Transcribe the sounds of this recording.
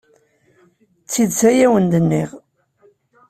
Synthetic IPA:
t͡sːid̪sæjæwənd̪ənːiʁ

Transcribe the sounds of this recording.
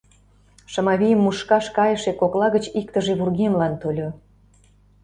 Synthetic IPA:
ʃə̆mɑβʲijəmːuʃkɑʃkɑjəʃekoklɑɣə̆t͡ɕikt̪əʒeβurɣemlɑnt̪olʲo

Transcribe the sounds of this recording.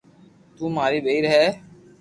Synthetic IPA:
t̪uːmaːɾiːɓeiɾɦɛː

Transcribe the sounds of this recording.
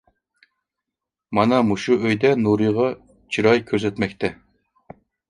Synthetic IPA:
mɑnɑmuʃuøjd̪ɛnuɾɨʁɑ | t͡ʃʰiɾɑjkʲʰøzɛt̪mɛk̚ʲt̪ʰɛ

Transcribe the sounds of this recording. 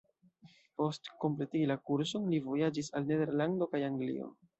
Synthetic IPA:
po̞stko̞mple̞tiilakuɾsonlivo̞jad͡ʒisalne̞de̞ɾlando̞kajaŋɡlḭo̞̰

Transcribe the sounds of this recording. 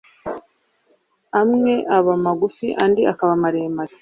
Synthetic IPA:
amŋe̞ʔaβamaɡufiʔandiʔakaβamaɾeːmaɾi

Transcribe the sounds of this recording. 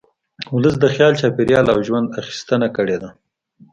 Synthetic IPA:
ʊləs̬d̪əxjɑlt͡ʃɑpeɾjɑlawʒwand̪axi̥st̪ənakəɽed̪a

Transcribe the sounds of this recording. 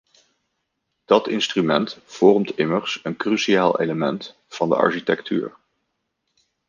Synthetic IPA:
d̥ɑtɪnstrymɛntfɔrmtɪmərsənkrysiaːlˠʔḛjləmɛnt | fɑndə̰ʔɑ̰ɹʃitɛkty̰ːɹ

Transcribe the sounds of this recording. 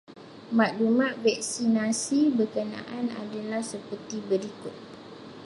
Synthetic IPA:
mãʔ̚dumãʔvɛk̚sinasibərkənã̰ʔana̰dalahsəpərt̪ibəɾikʊt̪̚

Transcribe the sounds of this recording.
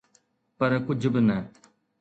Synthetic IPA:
pəɾkʊd͡ʒʱbɪnɛː

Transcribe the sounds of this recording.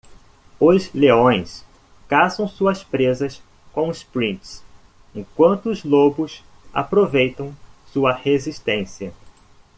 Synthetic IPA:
ʊzleõj̃s | kazɐ̃w̃suɐspɾezɐs | kõʊspɾĩnt̪s | ẽkwɐ̃nt̪ʊːzlobʊs | a̰pɾovejt̪ɐ̃w̃suɐhezist̪ẽsiɐ

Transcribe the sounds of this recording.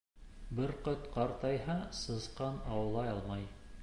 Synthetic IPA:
bɘɾqɤt̪qɑɾt̪ɑjɦɑsɤ̆zqɑnɑwɤ̆lˠɑjɑlˠmɑj

